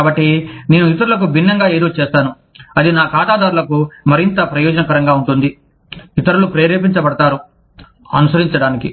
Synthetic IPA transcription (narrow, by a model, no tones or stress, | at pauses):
aːbɐʈːine̞ːnuit̪ɐɾulɐk̬ubʱinːɐŋɡaːe̞ːd̪o̞ːt͡ʃɛːst̪aːnu | ɐd̪inaːkaːʈ̪aːd̪aːɾulɐkumɐɾint̪ɐpɾɐjɔːd͡ʒɐnɐkɐɾɐŋɡaːuɳʈund̪i | it̪ɐɾulupɾeːɾeːp̬iɲt͡ʃɐbɐɽɐt̪aːɾu | ɐ̰nusɐɾiɲt͡ʃɐɽaːniki